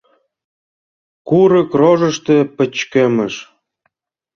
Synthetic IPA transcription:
kuɾə̆kroʒə̆ʃt̪ĕpə̆t͡ɕkemə̆ʃ

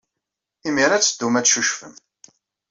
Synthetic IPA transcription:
imiɾæt͡sːəd̪ːumæt͡sʃuʃfəm

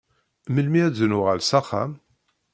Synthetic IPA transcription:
məlmiæzənʊʁəlsɑχæ̰m

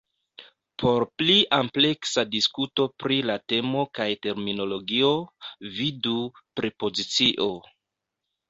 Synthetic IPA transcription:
pʰo̞ɾpliʔample̞ksadiskuto̞pɾilate̞mo̞kajte̞ɾmino̞lo̞ɡio̞vidupɾipo̞zit͡siʔo̞

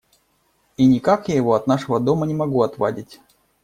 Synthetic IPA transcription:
inʲɪkakjajɪvo̞ɐt̪naʂəvəd̪o̞mənʲɪmɐɡuɐt̪va̰dʲɪtʲ

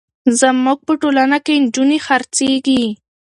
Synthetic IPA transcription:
zəmuɡ̚pəʈolanakend͡ʒunexaɾt͡seɡi

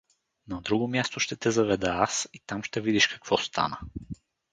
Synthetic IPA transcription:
nɐd̪ɾuɡomʲjast̪oʃt̪ɛt̪ɛzɐvɛd̪ɛasit̪amʃt̪ɛvid̪iʃkɐ̥kvɔst̪ʰa̰nə

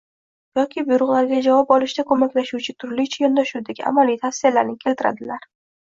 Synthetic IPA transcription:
jɒkʲʰɪbʊjɾʊʁlˠaɾɡʲad͡ʒavɒp̚ɒlɪʃd̪akʰɵmakʲlaʃuwt͡ʃʰɪt̪ʰʊɾlɪt͡ʃʰajɒnd̪aʃud̪aɡʲɪʔa̰malijt̪ʰafsijalaɾnɪkʲʰe̞lt̪ʰɪɾa̰d̪ɪlaɾ

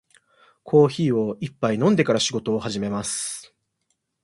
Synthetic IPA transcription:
kʰo̞ːçiːo̞ipːainõ̞nd̪e̞kaɾaɕiɡo̞t̪o̞ːhaʑime̞masɨ̥

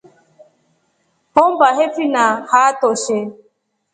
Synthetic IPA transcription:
hʊm̩baɦefinahatʊʃe

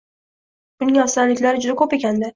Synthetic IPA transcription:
b̥ʊnɪŋɒsanlɪkʲlaɾɪd͡ʒʊd̪akʰope̞kʲʰand̪ɪ

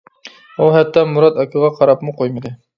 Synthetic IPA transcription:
uɦɛt̪ːɑmuɾɑt̪ɑkʲʰɨʁɑqʰɑɾɑpmʊqʰojmɨd̪ɨ

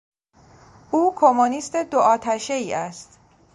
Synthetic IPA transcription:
uːkʰomuniːst̪e̞d̪oʔɒːt̪ʰæʃeiːʔæst̪

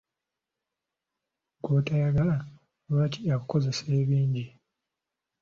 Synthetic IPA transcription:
ɡoːtajaɡala | βacʰiakuko̞ze̞seːβiːɲɟi

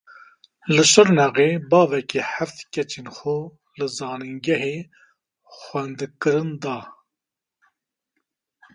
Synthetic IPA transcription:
lɨʃɨɾnɛɣeːbɑːvɛkiħæft̪kʲɛt͡ʃeːnxo | lɨzɑːnɨŋɡɛɦeː | xʷɛnd̪kɨɾɨnd̪ɑː

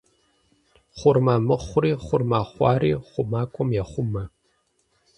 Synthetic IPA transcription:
χʷʊrmaːmɨχʷʊriːχʷʊrmaːχʷɑ̰ːriːχʷʊmaːkʷʼɔmjɛχʷʊmɐ

